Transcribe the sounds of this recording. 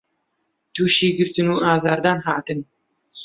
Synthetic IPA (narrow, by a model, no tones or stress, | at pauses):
t̪uːʃiːɡɨɾt̪ɨnuːʔɑːzɑːɾd̪ɑːnɦɑːt̪ɨn